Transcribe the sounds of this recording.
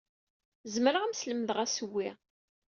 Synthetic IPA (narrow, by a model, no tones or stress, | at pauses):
zmɾəʁæmsləmðʁæsəwːɪ